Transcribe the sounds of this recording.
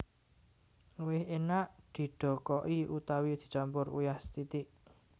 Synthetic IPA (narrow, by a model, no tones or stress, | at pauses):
luwɪhenaʔd̪̥i̤ɖ̥ɔ̤kɔʔiut̪awid̪̥i̥̤t͡ʃampʊrṵjahst̪it̪ɪʔ